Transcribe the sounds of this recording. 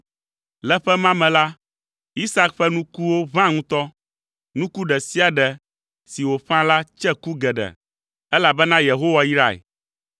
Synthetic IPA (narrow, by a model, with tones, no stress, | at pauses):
lɛ˦ɸɛ˦mã˦mɛ̃˨la˦ | i˦sa˦kɸɛ˦nũ˦ku˦wo˦βã˦ŋũ˦t̪ɔ˦ | nũ˦ku˦ɖɛ˨si˦a˨ɖɛ˨ | si˨wo˨ɸã˦la˦t͡ʃɛ˦ku˦ɡɛ˨ɖɛ̰˨ | ɛ˦la˨bɛ˦nã˦je˨ɦo˦wa˨i˦ɾa˨ḛ˨